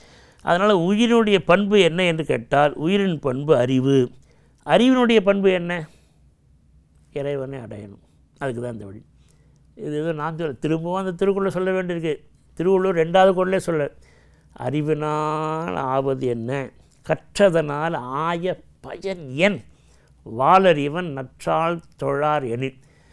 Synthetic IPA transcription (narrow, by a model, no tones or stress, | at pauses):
ʔɐ̰ðɐnaːlɐʊjɪɾɪnɯɽɐjɐpɐɳbɯɛnːɐɛndrɯkḛːʈːaːlʊjɪɾɪnpɐɳbɯɐɾɪʋɯ | ʔɐɾɪʋɪnɯɽɐjɐp̬ɐɳbɯɛnːɐ | ɪɾɐɪʋɐneːɐɽɐ̰jɐnɯ̰m | ɐðɯkːɯt̪ãːnd̪ɐʋɐɽḭ | ɪðɯeːðõnaːnd͡ʒɯlːɐt̪ɪɾɯmbɐʋãːɪnd̪ɐt̪ɪɾɯkːɔɭːɐsɔlːɐʋeːɳɖɪɾɯk̬ːɯ | t̪ɪɾɯkɔɭoɾɛɳɖaːðɯkɔːɽɪleːsɔlːɐ | ɐ̰ɾɪʋɪnaːla̰ːʋɐðɯɛnːɐ | kɐʈrɐðɐnaːlaːjɐpɐjɐnɛn | ʋaːlɐɾɪʋɐnnɐʈraːlt̪ɔɻːaːɾɛɳi